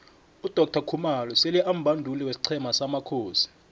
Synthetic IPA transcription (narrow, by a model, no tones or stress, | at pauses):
ud̥ʱɔk̚tʰakʰumalɔseliʔam̩bʱandʱuliwesi̥ǀʰɛmasamakʰoːsi̥